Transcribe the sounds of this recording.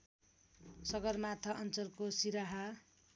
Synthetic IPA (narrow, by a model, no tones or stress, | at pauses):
sʌɡʌrmat̪ʰʌʔʌnt͡sʌrkosiɾaɦa